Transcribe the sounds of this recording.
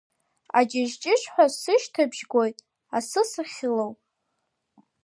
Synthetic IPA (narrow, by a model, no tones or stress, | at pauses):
a̰d͡ʒaʒt͡ʃʼɪʂʷʼħʷᶣasɨʃtʰabʒɡo̞jtʼ | asɨsɨχʲɪlowpʼ